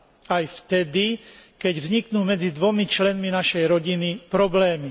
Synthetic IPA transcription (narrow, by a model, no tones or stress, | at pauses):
ajft̪ɛd̪ikɛɟvzɲiknuːmɛd͡zid̪ʋɔmit͡ʃlɛnminaʃɛjɾɔɟinipɾɔblɛːmi